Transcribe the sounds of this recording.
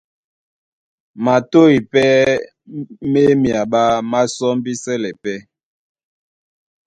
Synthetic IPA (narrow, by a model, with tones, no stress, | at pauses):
ma˨to˦i˨pɛ˦ | me˦mja˨ɓa˦ma˦sɔ˦m˦bi˦sɛ˦lɛ˨pɛ˦